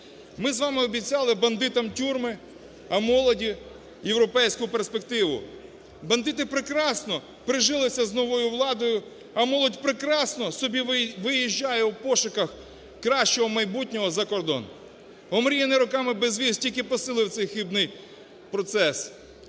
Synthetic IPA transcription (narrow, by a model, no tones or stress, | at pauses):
mɪzʋɑmɪɔbʲit͡sʲɑlˠɪbɐnd̪ɪt̪ɐmtʲurmɪ | ɐmɔlˠɔdʲi | jewɾɔpɛjsʲkʊperspekt̪ɪʋʊ̰ | bɐnd̪ɪt̪̬ɪpɾɪkɾɑsnɔ | pɾɪʒɪlˠɪsʲɐznɔʋɔjʊʋlˠɑd̪ɔjʊ | ɐmɔlˠɔdʲpɾɪkɾɑsnɔsɔbʲiʋɪjiʒʲːajɛwpɔʃʊkɐx | kɾɑʃt͡ʃɔɦɔmɐjbutʲnʲɔɦɔzɐkɔrd̪ɔ̰n | ɔmɾʲijɛnɪɾʊkɑmɪbezʋʲistʲilʲkʲɪpɔsɪlˠɪwt̪sɛjxibnɪj | pɾɔt̪sɛs